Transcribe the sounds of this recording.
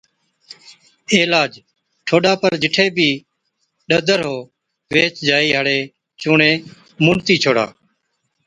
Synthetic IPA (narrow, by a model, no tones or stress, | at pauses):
eːlaːd͡ʒ | ʈʰoːɗaːpəɾd͡ʒɪʈʰeːbʱiː | ɗəd̪əɾɦoː | ʋeːt͡ʃd͡ʒaːiːɦəɽeː | t͡ʃuːɳẽː | mʊːɳt̪iːt͡ʃʰoːɽa̰ː